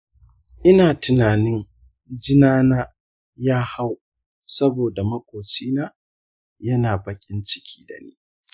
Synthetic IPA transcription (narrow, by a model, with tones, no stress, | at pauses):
ʔɪ˦naː˨tɪ˨naː˨nɪ˦n | d͡ʒɪ˦naː˦naː˦ | jaː˦ha˦w | sɐ˦boː˨da˨mɐ˦kʷʼoː˨t͡ʃiː˦naː˦ | jɐ˦naː˨bɐ˨kʲʼɪ˦nt͡ʃɪ̥˦kʲʰiː˦dɐ̰˨nḭː˦